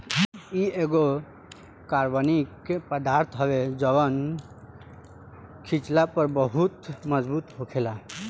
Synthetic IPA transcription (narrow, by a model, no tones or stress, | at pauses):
ieɡo | kaɾʋənikepəd̪aɾt̪ʰɦɔbed͡ʒəβən | kʰit͡ʃlapəɾbəɦut̪məd͡ʒbut̪ɦokʰela